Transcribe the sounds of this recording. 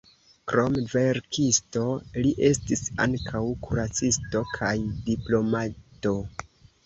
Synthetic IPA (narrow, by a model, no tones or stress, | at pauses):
kɾo̞mve̞ɾkisto̞liʔe̞stisa̰ŋkʰawkʰuɾat͡sisto̞kʰajdiplo̞mato̞